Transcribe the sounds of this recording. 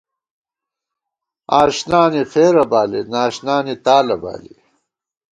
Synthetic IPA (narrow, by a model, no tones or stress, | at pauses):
aːɕnaːnixeːɾɐbaːlinaːɕnaːnit̪aːlɐba̰ːli